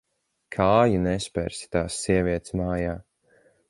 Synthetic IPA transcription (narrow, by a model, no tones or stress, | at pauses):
kʰaːjunɛspʲɛ̰ɾsi̥t̪aːsːiɛviɛt̪smaːjaː